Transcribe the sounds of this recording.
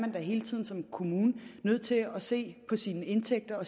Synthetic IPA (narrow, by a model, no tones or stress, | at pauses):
mænd̥æɦe̝ːlət͡sʰið̞̰ˠn̩sɒ̽mkʰo̝muːnənøð̞̰ˠt͡sʰe̝ɒse̝̰ːpʰɒ̽siːnəe̝nt͡sʰeɡ̥̚d̥ɐɒ̽